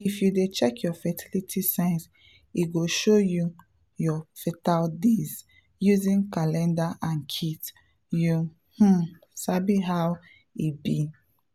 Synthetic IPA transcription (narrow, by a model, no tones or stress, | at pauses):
ifjudet͡ʃɛkʰjɔfɛtʰilitʰisãɪ̃ns | iɡoʃoju | jɔfetaldiz | juzĩnkalɛ̃ndaʔãnkʰit | ju | h̩ | sabiɦaw | ibi